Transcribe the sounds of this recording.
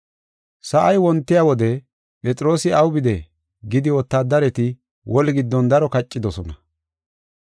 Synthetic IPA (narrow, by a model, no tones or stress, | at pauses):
sɐʔɐjwɔnt̪ːɪjawɔd̪ɛ | pʼɛt͡sʼɾo̞ːsɪɐwbɪd̪ɛ | ɡɪd̪ɪwɔt̪ːaːd̪ɐɾɛt̪ɪ | wʔɔlɡɪd̪ːɔnd̪ɐɾɔkɐt͡ʃʼːɪd̪ɔsɔnɐ